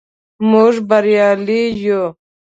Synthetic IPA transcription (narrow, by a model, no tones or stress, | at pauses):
muʐbaɾjɑːliju